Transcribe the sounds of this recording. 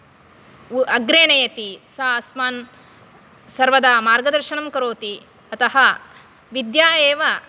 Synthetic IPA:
ɐɡɾeːnɐjɐt̪isɐɐsmaːn | sɐɾʋɐd̪amaːɾɡɐd̪ɐɾʃɐnɐmkɐɾoːt̪i | ɐt̪ɐɦɐ | ʋid̪jaːjeːʋɐ

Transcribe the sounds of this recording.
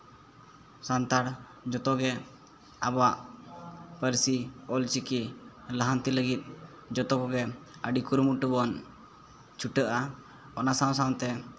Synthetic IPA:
sant̪aɽ | d͡ʒɔt̪ɔɡɛ | abaʔ | pəɾsiɔlt͡ʃikiləɦant̪iləɡit̪̚ˀ | d͡ʒɔt̪ɔkɔɡɛəɖikuɾmuʈubɔn | t͡ʃʰuʈəʔa | ɔnasaw̃s̬aw̃t̪ɛ

